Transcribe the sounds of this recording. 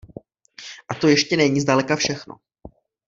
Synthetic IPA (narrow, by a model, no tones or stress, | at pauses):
ʔat̪o̞jɛʃcɛnɛɲizdalɛkafʃɛxno̰